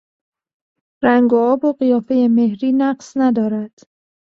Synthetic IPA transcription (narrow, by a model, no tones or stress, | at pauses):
ɾæŋɡoɒːboɢijɒːfe̞jeme̞hɾiːnæɢsnæd̪ɒːɾæd̪̥